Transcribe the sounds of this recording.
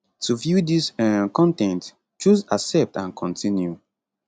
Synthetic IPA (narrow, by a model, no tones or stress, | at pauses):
tʰuvjudisɛkɔ̃ntɛ̃nt | t͡ʃuzasɛp̚tãnkʰɔ̃ntʰĩnju